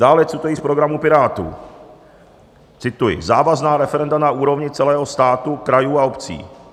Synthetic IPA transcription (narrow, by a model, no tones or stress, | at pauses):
d̥aːlɛt͡sut̪ojiːspɾo̞ɡɾamupɪɾaːt̪ṵ | t͡sɪt̪ujɪ̰zaːvaznaːɾɛfɛɾɛndanaʔuːɾo̞vɲɪt͡sɛlɛːɦost̪aːt̪ukɾajuːaopt͡sḭː